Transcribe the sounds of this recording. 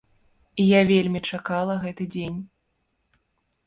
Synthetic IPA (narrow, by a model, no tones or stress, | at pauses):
ijavʲelʲmʲit͡ʂakalˠɐɣɛt̪ɨd͡zʲenʲ